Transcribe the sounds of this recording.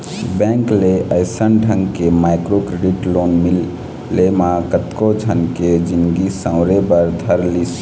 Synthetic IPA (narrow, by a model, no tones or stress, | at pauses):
bɛ̃ŋkleʔəjsənɖʱəŋɡkemajkɾokɾeɖiʈlonmilː | emakət̪kod͡ʒʱənked͡ʒinɡisãʊ̃ɾebəɾd̪ʱəɾlis